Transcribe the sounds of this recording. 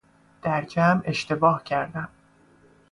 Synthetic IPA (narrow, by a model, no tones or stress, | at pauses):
d̪̥æɾd͡ʒæme̞ʃt̪e̞bɒːhcʰæɾd̪æm